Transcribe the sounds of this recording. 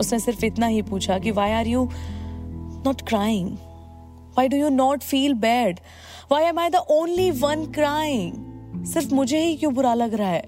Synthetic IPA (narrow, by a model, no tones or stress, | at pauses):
ʊsnẽsɪɾfɪt̪naɦipuːt͡ʃʰakiʋaːɪaːɾjuː | nɔːʈkɾaːjɪ̃ŋɡ | ʋaːɪɖuːjuːnɔːʈfiːlbɛːɖ | ʋaːɪɛmaːɪd̪əʔõːnliʋɐ̃nkɾaːɪ̃ŋsɪɾfmʊd͡ʒʱeɦikjõːbʊɾalɐɡɾaaɦɛː